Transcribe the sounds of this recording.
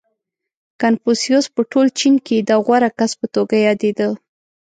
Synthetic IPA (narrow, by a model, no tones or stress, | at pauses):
kanfosjospəʈolt͡ʃinked̪aɣwaɾakaspət̪oɡajɑd̪ed̪ə